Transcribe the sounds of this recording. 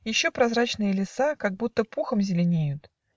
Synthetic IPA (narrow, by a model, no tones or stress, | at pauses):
jɪɕːopɾɐzɾat͡ɕnɨjəlʲɪsakaɡ̚but̪ːəpuxəmzʲɪlʲɪnʲejʊt̪